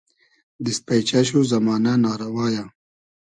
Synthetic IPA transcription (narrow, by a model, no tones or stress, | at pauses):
d̪ispajt͡ʃaɕuzɐmɑːnanɑːɾɐwɑːja